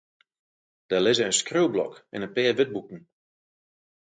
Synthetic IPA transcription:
d̥ɛlɪzəənskrølˠblɔ̰kɛ̰nəpɪːʋɪt̚bukn̩

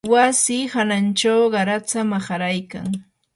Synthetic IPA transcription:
wasihanant͡ʃawɢɑɾat͡samaχɑɾajka̰ŋ

